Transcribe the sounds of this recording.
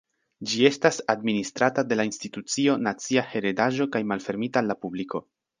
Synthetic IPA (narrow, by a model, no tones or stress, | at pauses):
d͡ʒie̞stasadministɾatade̞lainstitut͡sio̞nat͡siahe̞ɾedaʒo̞kajmalfe̞ɾmitaːlːapubliko̞̰